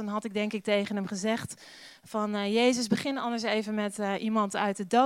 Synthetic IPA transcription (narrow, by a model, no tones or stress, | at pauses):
ɔnɦɑtɪɡ̚dɛŋkɪk̚tejχənəmχəzɛχt | fɔnjejzəsbəχɪnɔndəɹsejvənmɛtʔimɑntœɥt̚ədo